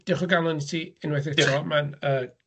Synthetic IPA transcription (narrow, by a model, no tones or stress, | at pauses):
d̥ɪχɔɡalˠʊnitʰiɪnwɛθɪrɔmanəː